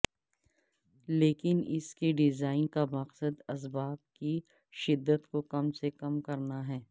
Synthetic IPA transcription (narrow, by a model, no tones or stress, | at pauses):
leːkɪnɪ̰skeɖɪzaːɪnkamɐqsəd̪ɐs̬baːb̚ki | ʃɪd̪ːət̪kokɐmsekɐmkɐɾnaɦɛː